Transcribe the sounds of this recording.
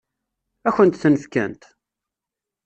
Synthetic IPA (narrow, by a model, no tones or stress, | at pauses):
æçənt̪θənəfkæ̰nt̪